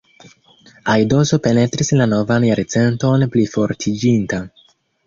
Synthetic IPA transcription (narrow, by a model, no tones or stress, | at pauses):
ajdo̞zo̞pe̞ne̞tɾislano̞vanjaɾt͡se̞nto̞nplifo̞ɾtʰid͡ʒinta